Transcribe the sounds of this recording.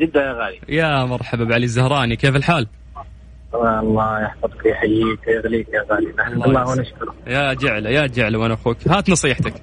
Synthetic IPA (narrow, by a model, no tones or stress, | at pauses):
d͡ʒɪd̪ːanjaːɣaːlijamɑɾˤħababʕalizːahɾˤɑːnikeːfɪlħaːl | aɑlˤːɑːjaħfɑd̪ˤkiħajiːkjɪɣliːkjaɣaːlinaħɑllːɑːhwnaʃkʊɾˤjaːd͡ʒɪʕlajaːd͡ʒɪʕlawanʔaxuːkhaːt̪nɑsˤiːħt̪ak